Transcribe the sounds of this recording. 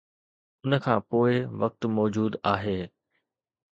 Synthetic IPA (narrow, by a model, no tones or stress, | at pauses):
ʊnə̆kʰãːpoːɪʋɐk̚t̪mɔːd͡ʑuːd̪aːɦeː